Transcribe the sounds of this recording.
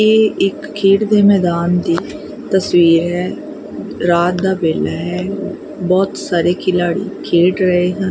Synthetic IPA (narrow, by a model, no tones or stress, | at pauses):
eːɪkːʰeːʈd̪eːmɛːd̪aːnd̪iː | t̪əswiːɾɦɛː | ɾaːt̪̚d̪aːbeːlaːɦɛː | bɔːt̪saːɾeːkʰɪlaːɽḭːkʰeːʈɾəɦeːɦən